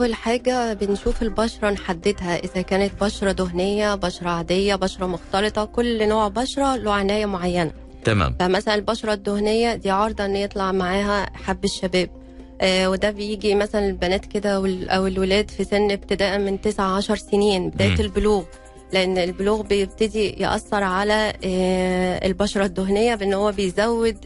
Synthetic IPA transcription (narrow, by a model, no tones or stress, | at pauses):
ʔæwælħaːɡæbenʃuːfelbɑʃɾˤɑnħad̪ːed̪hæʔezækæːnet̪̚bɑʃɾˤɑd̪oɦnejːæbɑʃɾˤɑʕad̪ejːæbɑʃɾˤɑmoxt̪ɑlet̪ˤɑkolːnoːʕbɑʃɾˤɑloːʕʕenæːjæmoʕajːænæ̰ː | fæmæsælænelbɑʃɾˤɑd̪ːohnejːæd̪iːʕɑɾˤd̪ˤɑʔenːjet̪ˤlɑʕmaʕaːɦæħabːeʃːæbæːb̚ | wed̪æbejiːɡimæsælænelbænæːt̪ked̪æweʔæwelwelæːd̪fisenːeb̚t̪ed̪æːʔæment̪esʕaʕɑʃɑɾˤseniːnbed̪æːjet̪elboluːɣ | leʔenːelboluːɣbejeb̚t̪æd̪ijḛʔɑ̰sːɑɾˤʕalæ | ḛlbɑʃɑɾˤɑd̪ːoɦnejːæbeʔenːhowːæbejzæwːed̪